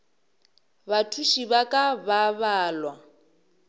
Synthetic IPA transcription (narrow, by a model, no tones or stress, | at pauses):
βatʰuʃiβakʼaβaβaːlwa